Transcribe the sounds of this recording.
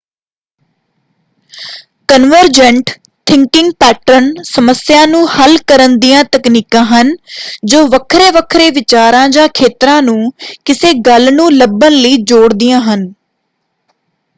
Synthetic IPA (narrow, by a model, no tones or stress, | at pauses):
kənʋəɾd͡ʒəɳʈ | t̪ʰɪ̃ŋkɪ̃ŋɡ̚pɛːʈɾənsəməsjãːnũːhəlkəɾənd̪ijãːt̪əkniːkãːɦənd͡ʒoːʋəkʰɾeːʋəkʰɾeːʋɪt͡ʃaːɾãːd͡ʒãːkʰeːt̪ɾãːnũːkɪseːɡəlnũːləbənləiːd͡ʒoːɽd̪ɪjãːɦən